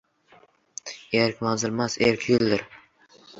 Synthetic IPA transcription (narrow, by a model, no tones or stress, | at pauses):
eɾkʲmazɪɾmaseɾkʲʰjʊld̪ɪɾ